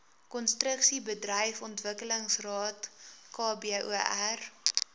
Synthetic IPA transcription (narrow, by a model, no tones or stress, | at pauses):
kɔnstrəksibədrəjfɔntvəkələŋsrɑːtkɑːbiʔuʔær